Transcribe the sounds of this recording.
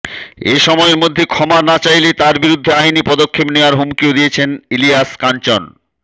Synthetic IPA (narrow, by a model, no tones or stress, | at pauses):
ḛʃɔmɔeɾmod̪ʱːekʰɔmanat͡ɕajlet̪aɾbiɾud̪ʱːeajnipɔd̪okʰːepneoaɾɦumkiod̪ijet͡ɕʰeniliaskant͡ɕɔn